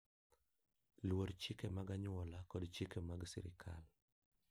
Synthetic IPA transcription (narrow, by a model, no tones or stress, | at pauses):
lwoɾt͡ʃɪkɛmaɡaɲɔlakɔdt͡ʃɪkemaɡsḭɾɪ̰kʰa̰l